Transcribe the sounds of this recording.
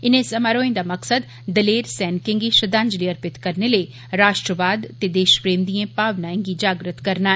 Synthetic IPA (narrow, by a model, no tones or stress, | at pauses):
ɪnẽsɐmaɾoːẽnd̪amɐksəd̪ | d̪ɐleːɾsɛːnkɪ̃ŋɡiʃɐd̪ãːɲd͡ʒliɐɾpɪt̪kɐɾneləe | ɾaːʃʈɾəʋaːd̪t̪ed̪eːʃpɾeːmd̪iẽpaːʋnaːẽɡid͡ʒaːɡɾət̪kɐɾnaːɛ